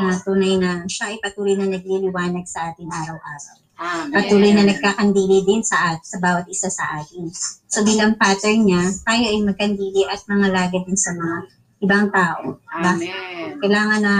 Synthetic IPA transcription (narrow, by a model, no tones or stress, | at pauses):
ɐt̪uːnɐjnɐʃaʔɐjpɐt̪uːlojnɐnɐɡ̚lilɪwaːnɐɡ̚sɐʔaːt̪ɪŋʔaːɾɐwʔaːɾɐ̰w | pɐt̪uːlojnɐnɐɡ̚kaːkɐnd̪iːlɪd̪ɪnsɐʔasɐbaːwɐt̪̚ʔɪsasɐ̰ʔaːt̪ɪnsobiːlɐŋpaːt̪ɛɹɲat̪aːjoʔɐjmɐɡ̚kɐnd̪iːlɪʔɐt̪̚mɐŋɐlaːɡɐd̪ɪnsɐmɐŋa | ʔɪbaŋt̪aːʔo̞̰bakɐjlaːŋɐnɐ